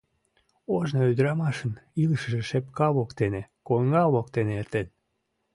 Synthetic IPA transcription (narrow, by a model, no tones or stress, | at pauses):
oʒnoyd̪əɾɑmɑʃəniləʃə̆ʒeʃepkɑβokt̪enekoŋɡɑlok̚t̪eneert̪en